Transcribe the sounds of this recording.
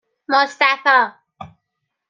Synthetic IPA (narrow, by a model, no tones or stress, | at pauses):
mʊst̪afa